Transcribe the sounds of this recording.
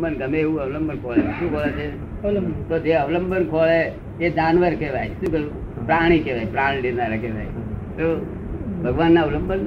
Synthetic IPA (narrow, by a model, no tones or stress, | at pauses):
bənɡəmeeũəʋləmbənkʰoːlet͡ʃʰeʃũːkʰolet͡ʃʰe | t̪od͡ʒeəʋləmbənkʰole | ed͡ʒanʋəɾkeʋa̰jʃũːkəu | pɾaɽ̃it͡ʃʰeʋajpɾaːɽ̃ileɾnaɾəkʰeʋa̰jt̪o | bʱəɡʋanːaʋləmbən